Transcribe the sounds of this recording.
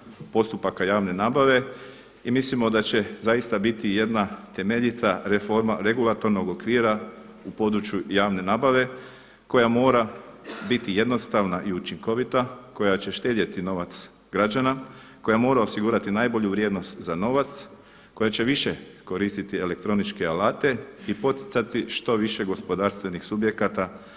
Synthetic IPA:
po̞st̪upakajaːʋne̞naːbaʋe̞ | imislimo̞d̪at͡ɕe̞zajist̪abit̪ije̞d̪nat̪e̞me̞ʎit̪ʰaɾefo̞ɾmaɾe̞ɡulˠat̪o̞ɾno̞ɡo̞kʋiːɾa | upo̞d̪ɾut͡ʃjujaːʋne̞naːbaʋe̞ | ko̞jamo̞ːɾa | bit̪ije̞d̪no̞st̪aʋnaʔiut͡ʃiŋko̞ʋit̪ako̞jat͡ɕe̞ʃt̪eːd̪jet̪ino̞ʋat̪s | ɡɾad͡ʒana | ko̞jamo̞ːɾao̞siɡuːɾat̪inaːjbo̞ʎuʋɾjed̪no̞st̪zano̞ʋat̪s | ko̞jat͡ɕe̞ʋiʃe̞ | ko̞ɾist̪it̪ie̞le̞k̚t̪ɾo̞nit͡ʃkealaːt̪e̞ipo̞t̪i̥t̪sat̪iʃt̪o̞ʋiʃe̞ɡo̞spo̞d̪aːɾst̪ʋe̞nixsubje̞kat̪a

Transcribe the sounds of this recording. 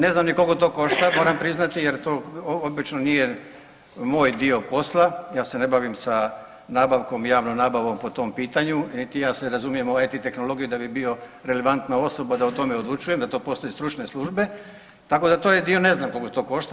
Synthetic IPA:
ne̞znamnikoɡot̪o̞ːko̞ʃt̪amo̞ːɾampɾiznat̪ijeɾt̪oːobit͡ʃnonije̞ | moːjd̪io̞po̞slˠajaːse̞ne̞baʋimsa | naːbaʋko̞mjaːʋnomnaːbaʋo̞mpo̞t̪o̞mpiːt̪aɲunit̪ijaːseɾazumije̞moat̪it̪e̞xno̞lˠo̞ɡijud̪abibio̞ɾe̞le̞ʋant̪nao̞so̞bad̪aut̪o̞meod̪lˠut͡ʃuje̞md̪at̪o̞ːpo̞st̪o̞jest̪ɾut͡ʃneslˠuʒbe̞ | t̪ako̞d̪at̪oːjed̪io̞ne̞znamkokot̪o̞ːko̞ʃt̪a

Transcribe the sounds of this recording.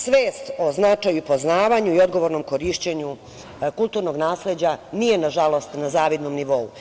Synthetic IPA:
sʋeːst̪o̞znat͡ʂajupo̞znaːʋaɲuio̞d̪ɡo̞ʋo̞ɾno̞mko̞ɾiʃt͡ɕeɲu | kulˠt̪uːɾno̞ɡnaːsle̞d͡ʑanije̞naʒalˠo̞st̪nazaːʋid̪nomniʋo̞ṵ

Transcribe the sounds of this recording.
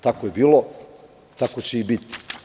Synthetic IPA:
t̪akojebiːlo | t̪ako̞t͡ɕeibit̪i̥

